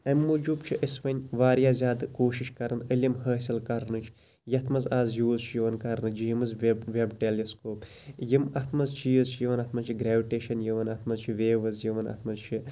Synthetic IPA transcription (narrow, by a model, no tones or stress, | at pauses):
ɐmːud͡ʒuːbt͡ʃʰiʔisʋɐnʲʋaːɾjaːzʲaːd̪koːʃiʃkɐɾɨnəlʲimhəːsʲilkɐɾnɨt͡ʃʰ | jɐt̪ʰmɐzaːzjuːzt͡ʃʰijiʋɐnkɐɾnɨd͡ʒijimɨzʋʲʋʲebʈeliskoːp | jimɐt̪ʰmɐzt͡ʃiːzt͡ʃʰijiʋɐnɐt̪ʰmɐzt͡ʃʰiɡɾeːʋiʈeːʃɐnjiʋɐnɐt̪ʰmɐzt͡ʃʰiʋeːʋɐzjiʋɐnɐ̰t̪ʰmɐzt͡ʃʰi